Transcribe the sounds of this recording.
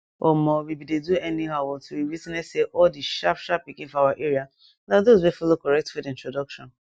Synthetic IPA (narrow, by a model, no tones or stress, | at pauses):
omɔwebideduɛniɦawɔtʰuwiwitnɛseʔɔdiʃapʃap̚bikĩnfɔawaʔeɾia | naðozwefɔlokɔɹɛk̚tfediĩntɹodɔkʃɔ̰̃n